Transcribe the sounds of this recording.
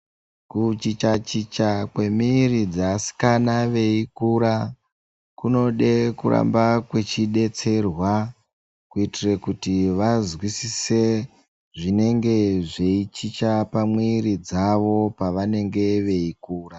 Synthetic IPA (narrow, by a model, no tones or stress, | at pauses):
kut͡ʃit͡ʃat͡ʃit͡ʃakwe̞mirid͡zasi̥kanaʋe̞ikuɾa | kuno̞ɗe̞kuɾa̰mbakwet͡ʃiɗe̞t͡se̞rwa | kuitirekutiʋazwisise | ʐine̞ŋɡe̞ʐe̞it͡ʃit͡ʃapamweiɾid͡zaʋo̞paʋane̞ŋɡe̞ʋe̞ikuːra